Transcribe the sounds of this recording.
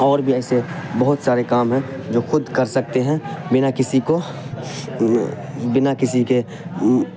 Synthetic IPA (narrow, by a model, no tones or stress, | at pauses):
ɔːɾbʱiɛːsebɐɦʊt̪saːɾekaːmɦɛ̃ | d͡ʒoːxʊd̪kɐɾsɐk̚t̪eɦɛ̃bɪnakɪsiko | bɪnakɪsike